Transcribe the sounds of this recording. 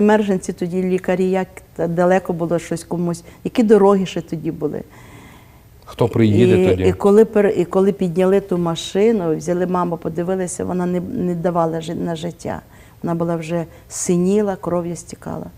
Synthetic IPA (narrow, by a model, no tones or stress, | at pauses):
ɐmɛrʒenʲt͡sʲit̪ɔdʲilʲikɐɾʲijɐkt̪d̪ɐlˠɛkɔbʊlˠɔʃt͡ʃɔsʲkɔmusʲjɐkʲid̪ɔɾɔɦiʃɛt̪ɔdʲibʊlˠɪ̰ | xt̪ɔpɾɪjid̪ʲikɔlˠɪpeɾikɔlˠɪpʲid̪ʲnʲɐlˠɪt̪umɐʃɪnʊwzʲɐlˠɪmɑmɐpɔd̪ɪʋɪlˠɐsʲɐ̰ʋɔ̰nɑnɛnɛd̪ɐʋɑlˠɐnɐʒɪtʲʰːa̰ | ʋɔnɑbʊlˠɑwʒɛ | sɪnʲilˠɐkɾɔwjɐsʲtʲi̥kɑ̰lˠɐ̰